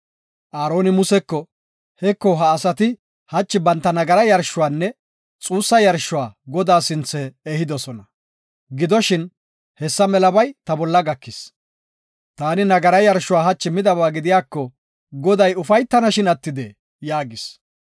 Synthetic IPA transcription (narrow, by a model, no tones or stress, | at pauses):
ʔaːɾo̞ːnɪmʊsɛkːɔ | hɛkːɔɦɐːsɐt̪ɪ | hɐt͡ʃːɪbɐnt̪ːɐnɐɡɐɾɐjɐɾʃːʊwaːnːɛ | t͡sʼuːsːɐjɐɾʃːʊwaːɡɔd̪aːsɪnt͡sːɛːhɪd̪ɔsɔnɐ | ɡɪd̪ɔʃɪn | hɛsːɐmɛlɐbɐjt̪ɐbɔlːɐɡɐkːɪs | t̪aːnɪnɐɡɐɾɐjɐɾʃʊwaːɦɐt͡ʃːɪmɪd̪ɐbaːɡɪd̪ɪjaːkːɔ | ɡɔd̪ɐjʊfɐjt̪ːɐnɐʃɪnɐt̪ːɪd̪ɛ | jaːɡɪs